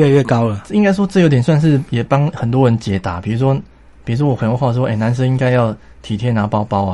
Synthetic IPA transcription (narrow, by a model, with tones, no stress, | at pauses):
ɛ˥˧ɥɛ˥˨˩ka˦ʊlə˨i˦ŋka˥ɪʂ̬wɔ˥t͡s̩˥˩jo˧˥t̪̬jnswa˥˧nʂ̬ɻ̩˥˨jɛ˨˩pa˦ŋxə˨˩nt̪̬wɔ˦ɻə˧˦nt͡ɕjɛ˨˩t̪a˨˩˦pi˨˩u˧˥ʂ̬wɔ˦˥ | pi˨˩ɻu˧˥ʂ̬wɔ˥wxə˨˦nxo˥˧xa˥˩˥ɔ˥˧e˥˩na˧˦nʂ̬ə˥˦ŋi˦ŋka˥ɪjɑ˥˩ʊ | t̪ʰi˨˩t̪ʰjɛ˥˦na˨˧˦pa˥˦ʊpɑ˦ʊa˨